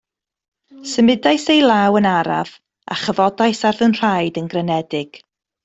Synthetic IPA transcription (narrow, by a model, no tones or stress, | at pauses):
səmɪdajsejlˠawənaɾa̰v̥ | a̰χəvɔdajsarvənr̥ajdənɡrənɛdɪɡ̥